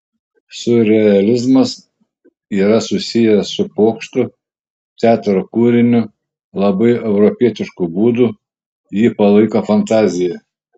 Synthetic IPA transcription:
sʊɾʲɛɐlʲɪzmɐs | iːɾɐsʊsʲɪjɛssʊpoːkʃt̪ʊ | t̪ʲæːt̪ɾokuːɾʲɪnʲʊ | lˠɐbɐɪɛʊɾɔpʲiɛt̪ʲɪʃkʊbuːd̪ʊ | jiːpɐlˠɐɪkofɐnt̪ɑːzʲɪjɛ

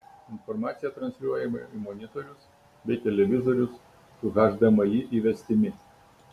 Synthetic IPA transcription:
ɪnfɔɾmɑːt̪sʲɪjɛt̪ɾɐnsʲɾʲuɔjɛmɐimɔnʲɪt̪ɔɾʲʊs | bʲɛɪt̪ʲɛlʲɛʋʲɪzoɾʲʊsː | ʊɣɑːʒd̪ɐmɐjiʔiːʋʲɛsʲt̪ʲɪmʲɪ

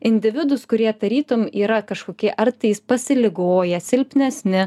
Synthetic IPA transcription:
ɪnʲd̪ʲɪʋʲɪd̪ʊskʊɾʲiɛd̪ɐɾʲiːt̪ʊmiːɾɐkɐʃkoːkʲiɛʔɐrt̪ɐjɪspɐsʲɪlʲɪɡoːjɛsʲɪlʲpʲnʲɛsʲnʲɪ

